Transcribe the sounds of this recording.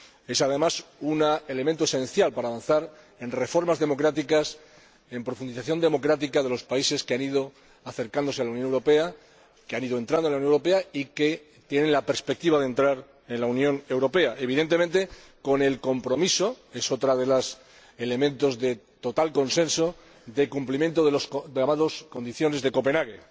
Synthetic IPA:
e̞sað̞e̞masunae̞le̞ment̪oesẽ̞nθjalpaɾaːβanθaɾ | e̞nre̞fo̞ɾmazðe̞mo̞kɾat̪̬ikas | e̞mpɾo̞fund̪iθaθjo̞nd̪e̞mo̞kɾat̪ikaðe̞lo̞spaise̞skeaniðo̞ | aθe̞ɾkand̪o̞sealaunjonewɾo̞pea | keaniðont̪ɾand̪olaunowɾo̞p̬e̞aike̞ | t̪je̞nẽ̞nlape̞ɾspek̚t̪iβaðe̞nt̪ɾaɾ | e̞nlaunjõ̞ne̞wɾo̞pe̞aʔeβ̞iðe̞nt̪e̞ment̪e̞ | ko̞ne̞lko̞mpɾo̞miso̞e̞so̞t̪ɾaðe̞las | ele̞mẽnt̪o̞zðe̞t̪o̞t̪alko̞nsẽ̞nso̞ | ðe̞kumplimjẽ̞nt̪o̞ðelosamaðo̞sko̞nd̪iθjo̞ne̞zðe̞ko̞pe̞naɣḛ

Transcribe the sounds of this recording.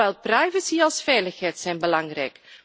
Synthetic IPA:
ɛlˠprɛjvəsiɑlˠsfɛːləxɦɛjtsɛjnbəlɑŋrɛjk

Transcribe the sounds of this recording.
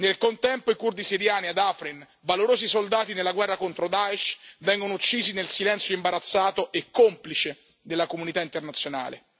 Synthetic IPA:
nelkont̪ɛmpoikurd̪isiɾjaːniad̪afɾin | valoɾoːzisold̪aːt̪inelːaɡwɛrːakont̪ɾod̪aɛʃvɛŋɡonout͡ʃːiːzinelsilɛnt̪sjoimbaɾat̪sːaːt̪oʔekːomplit͡ʃe | d̪elːakomunit̪aint̪ernat̪sːjona̰ːlḛ

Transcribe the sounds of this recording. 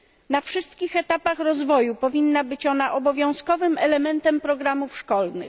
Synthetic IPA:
nafʂɘst̪kʲixɛt̪apaxɾɔzvɔjupɔvʲinːabɘt͡ɕɔnaʔɔbɔvʲjɔ̃w̃skɔvɘmɛlɛmɛnt̪ɛmpɾɔɡɾamufʂkɔlnɘ̰

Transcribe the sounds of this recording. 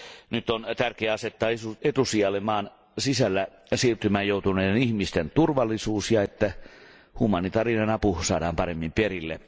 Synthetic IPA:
nyt̪ːont̪ærkeæɑset̪ːɑːuet̪usiɑlemɑːn | sisælːæ | siːrt̪ymæːjjoˑut̪uneːenihmist̪ent̪urʋɑlːˑisuːsjɑet̪ːæ | humɑnit̪ɑrinenɑpusɑːdɑːmpɑremːimperilːe

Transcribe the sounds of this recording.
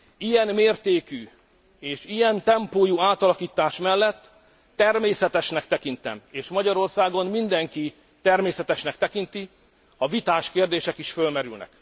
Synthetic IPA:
ijɛnmeːrt̪eːky | eːʃijɛnt̪ɛmpoːjuaːt̪ɒlɒkiːt̪aːʃmɛlːɛt̪ː | ɛrmeːsɛt̪ɛʃnɛkt̪ɛkint̪ɛ̰meːʃmɒɟɒɾo̞rsaːɡo̞mmind̪ɛŋki | t̪ɛrmeːsɛt̪ɛʃnɛkt̪ɛkint̪i | ɒvit̪aːʃkeːrd̪eːʃɛkiʃfølmɛɾy̰lnɛ̰k

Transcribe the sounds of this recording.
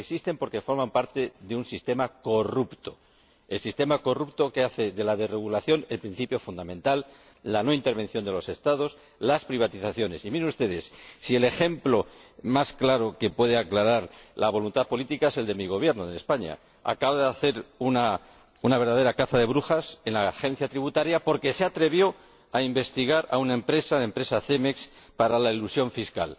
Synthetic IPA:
eksist̪e̞mpo̞ɾke̞fo̞ɾmãmpaɾt̪e̞ðeunsist̪e̞mako̞rupt̪o̞ | elsist̪e̞mako̞rupt̪o̞ke̞aθe̞ðe̞laðereɣ̞ulaθjo̞ne̞lpɾĩn̟θipjo̞fund̪amẽ̞nt̪alː | ano̞int̪e̞ɾβ̞e̞n̟θjo̞nd̪e̞lo̞sest̪að̞o̞s | laspɾiβ̞at̪iθaθjo̞ne̞simiɾeust̪e̞ð̞e̞sːiele̞xe̞mplo̞masklaɾo̞ke̞pwe̞ð̞eaklaɾaɾlaβ̞o̞lunt̪aðpo̞lit̪ikae̞se̞ld̪e̞miɣ̞o̞β̞je̞ɾnoðenespaɲa̰ | a̰kaβoðeaθe̞ɾuna | unaβeɾðaðe̞ɾakaθaðe̞βɾuxase̞nlaxẽ̞n̟θjat̪ɾiβut̪aɾjapo̞ɾke̞seat̪ɾe̞βjo̞ | aimbe̞st̪iɣ̞aɾa̰unae̞mpɾe̞saaempɾe̞saθe̞meks | paɾalailusjo̞ɱfiska̰l

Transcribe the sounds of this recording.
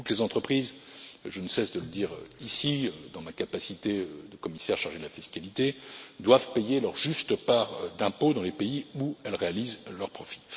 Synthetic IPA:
t̪ut̪lezɑ̃t̪χəpχizʒənəsɛsd̪ələd̪iʁisiød̪ɑ̃makapasit̪eød̪əkɔmisɛʁʃaʁʒed̪əlafiskalit̪ed̪wavpejelœʁʒyst̪əpaːʁd̪ɛ̃pod̪ɑ̃lepeiuɛlʁealizlœʁpχɔfi̥

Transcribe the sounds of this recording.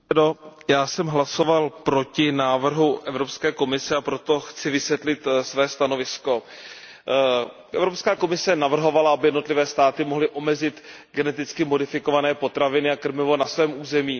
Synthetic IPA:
dojaːsɛmɦlaso̞valpɾo̞cɪnaːvr̩ɦuʔɛvɾopskɛːko̞mɪsɛapɾo̞t̪o̞xt͡sɪvɪsvjɛt̪lɪt̪svɛːst̪ano̞vɪsko̞ | ʔɛvɾo̞pskaːko̞mɪsɛnavr̩ɦo̞valaabɪjɛdno̞t̪lɪvɛːst̪aːt̪ɪmo̞ɦlɪʔo̞mɛzɪt̪ | ɡɛnɛt̪ɪt͡skɪmo̞dɪfɪkovanɛːpo̞t̪ɾavɪnɪakr̩mɪvo̞nasvɛːmʔuːzɛmiː

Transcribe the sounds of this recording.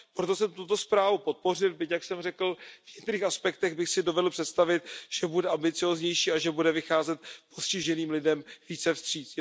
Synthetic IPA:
pɾot̪o̞sɛmt̪ut̪o̞spɾaːvupo̞t̪̚po̞r̝ɪlbɪcjaksɛmrɛkl̩vɲɛkt̪ɛɾiːxaspɛkt̪ɛɣbɪxsɪdo̞vɛdl̩pr̥ɛt̪st̪avɪt̪̚ʒ̥ɛbudɛʔambɪt͡sɪoːzɲɛjʃiːaʒɛbudɛvɪxaːzɛt̪̚po̞scɪʒɛniːmlɪdɛmviːt͡sɛfst̪r̝̥iːt͡s

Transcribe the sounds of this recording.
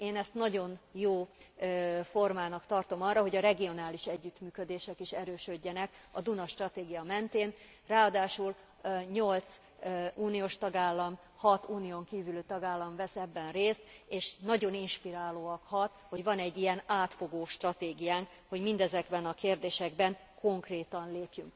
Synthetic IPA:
eːnɛst̪nɒɟo̞njoː | fo̞rmaːnɒkt̪ɒrt̪o̞mɒrɒɦo̞ɟɒɾɛɡio̞naːliʃɛɟːyt̪myːkø̞d̪eːʃɛkiʃɛɾøːʃø̞ɟːɛnɛkɒd̪unɒʃt̪rɒt̪eːɡijɒmɛnt̪eːn | raːɒd̪aːʃul | ɲo̞lt̪s | uːnijoːʃt̪ɒɡaːlːɒm | hɒt̪uːnijoːŋkiːvylyt̪ɒɡaːlːɒmvɛsɛbːɛnreːst̪eːʃnɒɟo̞ninʃpiɾaːloːɒkhɒt̪ho̞ɟvɒnɛɟːijɛnaːt̪fo̞ɡoːʃt̪rɒt̪eːɡijaːŋk | ho̞ɟmind̪ɛzɛɡbɛnɒkeːrd̪eːʃɛɡbɛŋkʰo̞ŋkreːt̪ɒnleːpjyŋk

